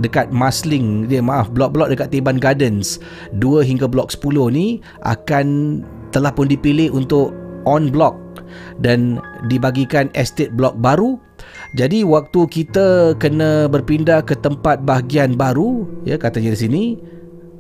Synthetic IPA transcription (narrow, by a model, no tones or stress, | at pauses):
dəkat̪̚maslɪŋdiəmaafblɔk̚blɔk̚dəkat̪̚ːebanɡadəns | duəɦiŋɡəblɔk̚sə̥pulʊhni | ʔa̰kan | t̪əlahpʊndipilɪɦunt̪ʊkɔnblɔk̚dandibaɡikanɛst̪et̪̚blɔk̚baɾu | d͡ʒadiwak̚t̪ukit̪akənə̃bərpindahkət̪əmpat̪̚baɦɡianbaɾuja̰kat̪aɲaɾis̬ini